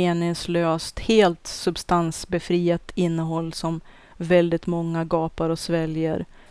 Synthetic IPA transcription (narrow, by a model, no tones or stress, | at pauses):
eːnɪŋsløːst̪heːlt̪sɵbst̪ansbɛfɾiːat̪ʰɪnːəɦɔlːsɔm | vɛld̪ɪt̪mɔŋːaɡɑːpaɾɔsvɛljə̰ɾ